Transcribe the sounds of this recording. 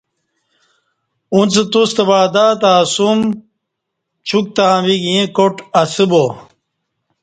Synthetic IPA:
unt͡set̪ust̪ɐbaːd̪aːt̪aːsum | t͡ɕʰuk̚t̪abiɡĩkoʈɐsibo

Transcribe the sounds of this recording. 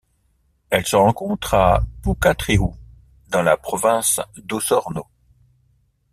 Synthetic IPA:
ɛlsəʁɑ̃kɔ̃t̪χapukat̪χeu | d̪ɑ̃la̰pχɔvɛ̃sd̪osɔʁno

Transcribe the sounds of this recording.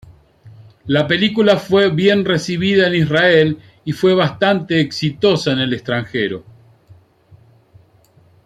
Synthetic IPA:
lape̞likulafwe̞βje̞nresiβiðaenisrael | ifwe̞β̞ast̪ant̪e̞ːksit̪o̞saenelest̪ɾaŋxeɾo̞̰

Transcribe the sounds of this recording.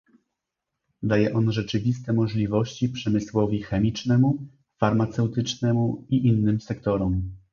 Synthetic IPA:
d̪ajɛʔɔnʐɛt͡ʂɘvʲist̪ɛmɔʐlʲivɔɕt͡ɕipʂɛmɘswɔvʲixɛmʲit͡ʂnɛmu | faɾmat̪sɛwt̪ɘt͡ʂnɛmuiʔinːɘmsɛkt̪ɔɾɔm

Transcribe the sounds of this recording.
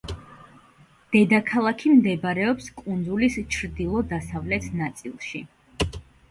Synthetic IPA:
d̪̥ɛd̪akʰalˠakʰimd̪ɛbɾɛɔpskʼund̪zulist͡ʃʰɾd̪ilˠɔd̪asavlɛt̪ʰnat̪sʼḭlˠʃi

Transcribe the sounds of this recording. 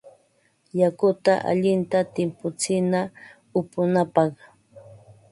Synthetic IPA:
jakʊt̪aʔa̰ʎɪnt̪at̪ɪmpʊt͡sɪna | ʊpʊnapɑχ

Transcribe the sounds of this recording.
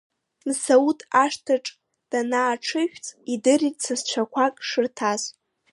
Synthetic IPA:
msautʰʼaʂtʰaʈ͡ʂʼ | d̥anaːʈ͡ʂʰɨʃᶣt͡sʼidɨritʼt͡sʰast͡ʃʷʰakʷʰakʼʂɨrtʰaz

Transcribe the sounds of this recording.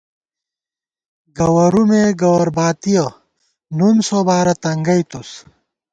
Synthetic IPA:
ɡɐwɐɾumeɡɐwɐɾbaːt̪ijɐ | nunsoːbaːɾɐt̪ɐŋɡɐjt̪us

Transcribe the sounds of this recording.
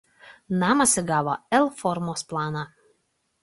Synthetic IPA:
nɑːmɐsʲɪɡɑːʋoɛlˠfɔɾmoːsplˠɑːnɑ

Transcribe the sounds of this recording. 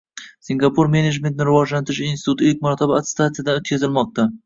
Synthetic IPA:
siŋɡapʰuɾme̞ned͡ʒme̞nt̪̚nɪɾɪvɒd͡ʒlant̪ʰɾɪʃinsɪ̥t̪ʰut̪ɪlkʲmaɾt̪ʰabaat̪st̪at̪ijad̪anot̪̚kʰʲazɪlmɒq̚t̪a

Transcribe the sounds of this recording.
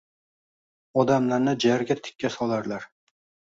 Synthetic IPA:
ɒd̪amlaɾnɪd͡ʒaɾɡʲat̪ʰɪ̥kʲːasɒlˠaɾlaɾ

